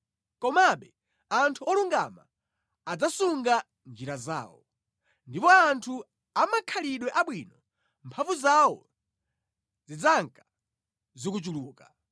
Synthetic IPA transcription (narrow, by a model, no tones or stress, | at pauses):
kɔmaɓɛ | antʰuɔluŋɡa̰maː | d͡zasuŋɡa | nd͡ʒiɾaza̰ːwɔ̰ | ndipɔantʰu | amakʰaliɗwɛʔaɓwiːnɔ | mpʰavuzawɔ | zid͡zaŋkḁ | zikut͡ʃuluːka